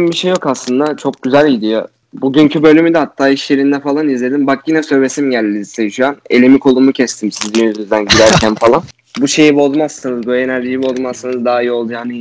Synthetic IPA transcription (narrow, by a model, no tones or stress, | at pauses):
mbiʃejːo̞kaslˠɯnd̪at͡ʃʰo̞k̚ɟyzælʲid̪ijo̞ | buɟyncʰybø̞lʲymyd̪ɛhat̪ʰːaːiʃje̞ɾind̪ɛfalˠanizlʲe̞d̪imbak̚ɟinɛsø̞ɾɾe̞simɟælʲːizsejyʃyjanelʲemikʰo̞lˠumucʰɛst̪ʰimsizinyzyzd̪ænɟid̪æɾcʰænfalˠan | buʃe̞jibo̞zˠmassɯnɯzbue̞næɾʒijibozˠmassanɯzd̪aːijio̞lˠd̪ujani